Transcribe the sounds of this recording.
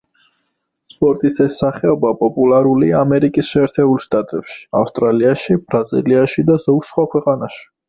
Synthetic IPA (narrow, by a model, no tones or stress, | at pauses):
spʼɔɾt̪ʼisɛsːaχɛɔbapʼɔpʼulaɾuliaːmɛɾikʼisʃɛːɾt̪ʰɛbulˠʃt̪ʼat̪ʼɛpʃi̥a̰fst̪ʼɾaliaʃib̥ɾazḭliaʃid̪azɔɡsχwakʰwɛqʼanaʃi̥